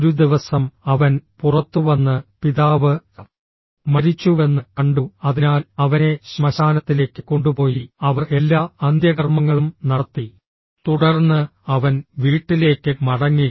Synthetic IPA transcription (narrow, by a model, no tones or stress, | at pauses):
ɾud̪iʋɐsɐmɐʋɐnpurɐt̪ːuʋɐnːɨpiðaːʋɨ | mɐɾit͡ɕːue̞nːɨkɐɳɖuɐðinaːlɐʋɐne̞ɕmɐɕaːnɐt̪ːile̞ːkːɨko̞ɳɖupo̞ːjiɐʋɐre̞lːaːɐnd̪jɐɣɐrmɐŋːɐɭumnɐɽɐt̪ːi | t̪uɽɐrnːɨɐʋɐnʋiːʈːile̞ːkʲːɨmɐɽɐŋːi